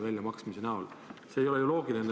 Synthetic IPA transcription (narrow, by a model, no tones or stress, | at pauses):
vælʲjɑmɑksmise̞næol | seːjo̞leiolo̞ːɡ̥ilin